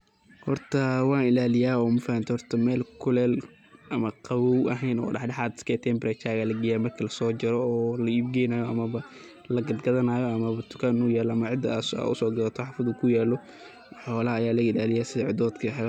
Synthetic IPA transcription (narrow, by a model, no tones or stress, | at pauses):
hɔrt̪ʰɐwɑːnɪlaːlɪjaːɔːmʊfɐɐnt̪ʰɛhɔrt̪ʰɐmɛːlkʰʊlɛːl | ʔɐmɐqʰɑβɔwɐɦɛjnɔ̰ːɖɑħɖɑħaːd̪ɪ̥skʰɛt̪ʰɛmbɾɛt͡ʃaːɣɐlɐɡɪjaːmɐrkʰilɐsɔːd͡ʒɐɾɔːlɐibɡɛjnajɔɐmɐβɐ | lɐɡɐd̪ɡɐðɐnaːjɔɐmɐβɐt̪ʰʊ̥kʰɐnʊjɛːlɔɐmɐʕɪd̪ɐsːʊ̰sɔːɡɐlɐt̪ʰɔħɑːfɐðʊkʰʊjaːlɔ | ħɔːlɐɦɐːjaːlɐɡɪlaːlɪjaːsɪðɐʕɪd̪ɔːd̪kʰɐħ